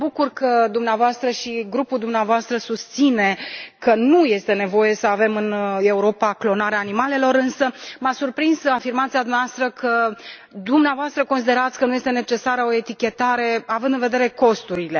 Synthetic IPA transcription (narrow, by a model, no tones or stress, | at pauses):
bukurkəd̪umneavoast̪ɾəʃiɡɾupuld̪umneavoast̪ɾəsust̪sine̞kənuje̞st̪e̞ne̞vo̞je̞səave̞mɨne̞uɾo̞paklo̞naɾeaːnimale̞lo̞ɾɨnsəmasurpɾinzafirmat̪sijad̪umneavast̪ɾəkʰə | d̪umneavoast̪ɾəkos̬id̪e̞ɾat̪sʲkənuje̞st̪ene̞t͡ʃe̞saɾəo̞e̞t̪ikʲe̞t̪aɾe̞avɨnd̪ɨnve̞d̪e̞ɾe̞ko̞st̪uɾile̞